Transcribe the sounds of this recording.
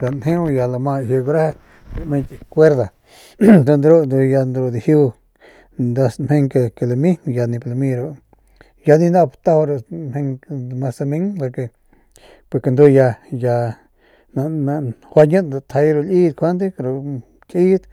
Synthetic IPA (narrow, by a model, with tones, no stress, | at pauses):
la˨nhẽ˦u˧ja˧la˧mã˧hje˧ɡu˧ɾa˦˧ | mẽ˧nt̪i˧kʷe˦ɾða˨ | d̪a˧nd̪ɾo˦nd̪u˧ja˧nd̪ɾo˧d̪i˧˨hi˦˧ | nd̪a˧smhẽ˧ŋke˧ke˧la˧mĩ˦ja˧nĩ˧pla˧mĩ˧ɾo˧ | ja˧nĩ˧nd̪a˦˧pt̪a˧ho˧ɾo˧hẽ˧ŋmã˧sa˧mĩ˧˦ŋla˧ke˧ | pe˧ke˧nd̪o˧ja˧ja˧ | nã˧na˧hwa˧ɲə̃˦nd̪a˧t̪ʰa˧jɾo˧li˦t̪kʰʷa˧˦nd̪i˦˧ɾo˧ | kʼi˦d̪